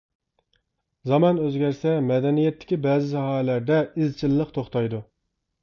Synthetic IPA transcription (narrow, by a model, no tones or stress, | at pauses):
zɑmɑnøzɡʲɛɾsɛmɛd̪ɛnijɛt̪ːɪ̥kʲibɛːzɪzɑɦɑɛlæɾd̪ɛɪzt͡ʃʰilːəqt̪ʰoχt̪ɑjd̪u